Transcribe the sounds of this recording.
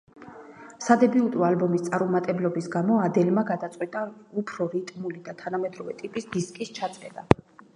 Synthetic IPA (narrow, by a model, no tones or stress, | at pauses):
sad̪ɛbiut̪ʼualbɔmist̪sʼaɾumat̪ʼɛblɔbisɡamɔad̪ɛlmaɡad̪at̪sʼqʼwit̪ʼaupʰɾɔɾit̪ʼmulid̪at̪ʰanamɛd̪ɾɔvɛt̪ʼipʼisd̪̥iskʼist͡ʃʰat̪sʼɛd̪a